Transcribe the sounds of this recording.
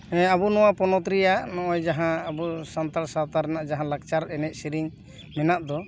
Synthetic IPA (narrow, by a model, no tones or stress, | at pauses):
ɛ̃abunɔwapɔnɔt̪ɾijanɔʔɔjd͡ʒaɦãːbusant̪aɾsat̪aɾɛnaʔd͡ʒaɦãlak̚t͡ʃaɾɛnɛc̪̚ˀsiɾiŋ | mɛnaʔd̪ɔ